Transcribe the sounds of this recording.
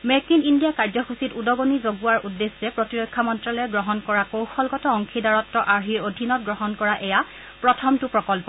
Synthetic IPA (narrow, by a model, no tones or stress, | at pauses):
mɛkinindijakaɹzɔxusitudɔɡonizoɡuaɹʔudːesːɛpɹotiɹɔkʰːamɔntɹalɔɛɡɹɔɦɔnkɔɹakowxɔlɡɔtɔɔŋkʰidaɹɔtːɔʔaɹɦiɹodʱinɔt̚ɡɹɔɦɔnkɔɹaʔɛja | pɹɔtʰɔmtʊpɹɔkɔlpɔ